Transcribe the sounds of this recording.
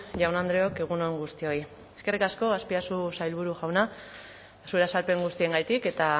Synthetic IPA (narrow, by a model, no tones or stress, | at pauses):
ʝawnand̪ɾeo̞ke̞ɣ̞uno̞ŋɡust̪io̞j | eske̞rikasko̞aspiasusajlβuɾuʝawna | sueɾasalpe̞ŋɡust̪ie̞ŋɡajt̪ike̞t̪a